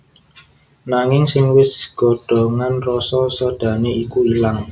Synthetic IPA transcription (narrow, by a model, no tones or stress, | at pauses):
naŋɪŋsɪŋwɪsɡ̥ɔ̤ɖ̥ɔ̤ŋanrɔsɔsɔd̥ä̤neikuilaŋ